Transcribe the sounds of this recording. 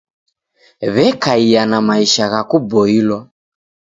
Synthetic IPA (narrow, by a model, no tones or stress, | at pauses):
βɛkaijanamaiʃaɣakubɔilwa